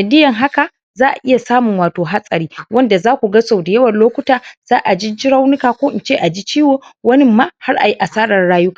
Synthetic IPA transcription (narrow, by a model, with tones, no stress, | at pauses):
nɐ˨dɪ˦jɐ˨ŋɦa˦ka˨ | zaː˦ʔa̰˨ʔɪ˦ja˨saː˦mʊ˨ŋwaː˨toː˨ɦa˦sʼɐ˨ɾiː˦wɐ˦nda˨zaː˦kʷu˨ɡɐ˦sa˨wdɪ˨jɐ˦wɐ˨nloː˦kʷʊ˦taː˨z̥aː˦ʔa˨d͡ʒi˦d͡ʒɪ˦ɾa˦wnɪ˦kaː˨kʷoː˦ʔɪ˨nt͡ʃeː˦˨ʔa˨d͡ʒi˦t͡ʃiː˦woː˨wɐ˦nɪ˦mːaː˦ha˦rʔa̰˨ji˦ʔa˨saː˦ɽɐ˨rɽaː˦jʊ˦ka˨